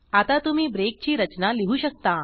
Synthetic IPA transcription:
at̪at̪um̤iːbɾek̚t͡ɕiːɾət͡ɕnaliɦuːɕək̚t̪a

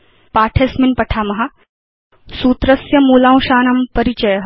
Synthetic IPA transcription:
paːʈʰesminpɐʈʰaːmɐɦɐ | suːt̪ɾɐsjɐmuːlãːw̃ʃaːnɐmpɐɾit͡ʃɐjɐɦ

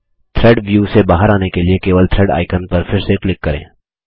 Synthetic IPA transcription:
t̪ʰɾɛːɖʋjuːsebaːɦəɾaːnekeliekeːʋəlt̪ʰɾɛːɖa̰ːɪkənpɐɾfɪɾseklɪkːɐɾḛ̃ː

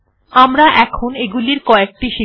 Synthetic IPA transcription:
amɾaʔɛkʰoneɡuliɾkɔek̚ʈiʃi

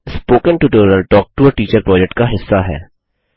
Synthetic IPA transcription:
spoːkə̃nʈuʈəːɾnəlʈɔːk̚ʈuəʈiːt͡ʃəɾpɾɔːd͡ʒɛk̚ʈ̚kaɦɪsːaɦɛ̰ː

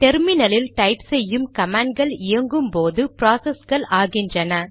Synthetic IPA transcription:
t̪ɛɾmɪnɐlɪlʈɐɪpsɛjːɯmkɐmaːɳɖ̚ɡɐɭɪjɐŋɡɯmpoːðɯpɾaːsɐsɡɐɭaːɣɪndrɐnɐ

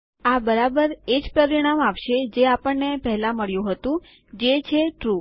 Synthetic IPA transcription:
abəɾabəɾed͡ʒpɾəɾiɽ̃amapʃed͡ʒeapəɳnepɛɦlãməɭjũɦət̪ũ | d͡ʒet͡ʃʰeʈɾu

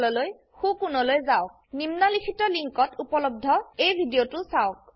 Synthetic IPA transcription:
lɔloj | xukunɔlojzaʊk̚nimnalikʰitɔliŋkɔtupɔlɔb̚dʱɔejbʱidijotʊsaʊk

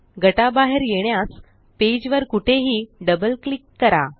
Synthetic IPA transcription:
ɡəʈabaɦeɾjeɽ̃jas | ped͡ʑʋəɾkuʈʰeɦiːɖəbəlklikːəɾa

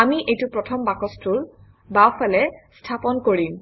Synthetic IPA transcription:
amiʔejtupɹɔtʰɔmbakɔstul | bawfʰalɛstʰapɔnkoɹim

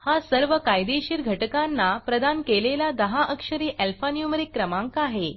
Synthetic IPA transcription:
hasəɾʋəkajd̪eɕiːɾɡʱəʈkanːapɾəd̪ankelelad̪əɦaʔəkʂəɾiːʔælfanjumɾikːɾəmãŋkaɦe

